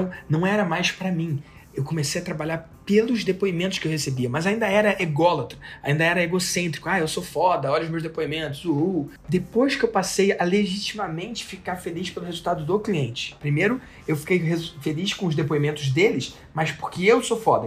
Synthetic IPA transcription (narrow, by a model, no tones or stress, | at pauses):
ɐ̃w̃nɐ̃w̃ɛɾɐmajspɾɐmĩ | ewkõmesejɐt̪ɾabaʎaɾ | pelʊzd̪epoimẽt̪ʊ̥ʃkɪewhesebiɐmɐzaĩnd̪ɐɛɾɐʔeɡɔlɐt̪ɾɐaĩnd̪ɐɛɾɐeɡosẽnt̪ɾikʊaewsofɔd̪ɐɔʎɐʊzmewzd̪epoimẽnt̪ʊzuu | d̪epojskɪewpasejɐleʒit͡ʃimɐmẽnt͡ʃɪ̥fikaɾfeliʃpelʊhezuwt̪ad̪ʊd̪okliẽnt͡ʃɪ̥pɾimejɾʊ | ewfi̥kejɦezfeliʃkõʊzd̪epoimẽnt̪ʊzd̪elɪs | mɐspo̥ɾkɪewsofɔd̪ɐ